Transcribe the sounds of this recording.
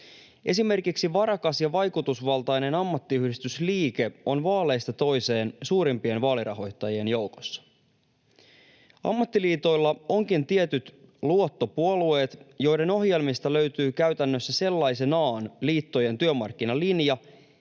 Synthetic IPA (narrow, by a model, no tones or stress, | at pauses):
ʔe̞̰sime̞rkiksiʋɑɾɑkɑsjɑʋɑjkut̪usʋɑlˠt̪ɑjne̞nɑmːɑt̪ːiyhdist̪ysliːke̞o̞nʋɑːle̞jst̪ɑt̪o̞jse̞ːnsuːɾimpie̞nʋɑːliɾʔɑ̰ɦo̞jt̪ːɑjie̞njo̞wko̥sːɑ̥ | ɑ̰mːɑt̪ːiliːt̪o̞jlːɑo̞ŋkint̪iet̪yt̪luo̞t̪ːo̞puolue̞ːt̪jo̞jde̞no̞hje̞lmist̪ɑlø̞ɥt̪yːkæɥt̪ænːøsːæse̞lːɑjse̞nɑːnliːt̪ːo̞je̞nt̪yømɑrk̟ːinɑlinjɑ